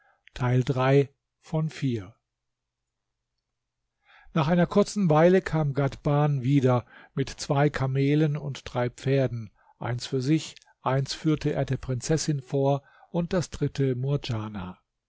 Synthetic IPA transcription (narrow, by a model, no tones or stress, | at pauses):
tʰaɪldʁaɪ | fɔnfiːɐ | naːχʔaɪnɐkʰʊɐt͡sn̩vaɪləkʰaːmɡatb̥aːnviːdɐmɪtt͡sv̥aɪkʰameːlənʊntd̥ʁaɪpp͡feːɐdn̩ | ʔa̰ɪnsfyːɐzɪç | ʔaɪnsfyːɐtʰəḛːɐdeːɐpʁ̥ɪnt͡sɛsɪnfoːɐ | ʔʊnt̚d̥asd̥ʁɪtʰəmuɐd͡ʒaːna̰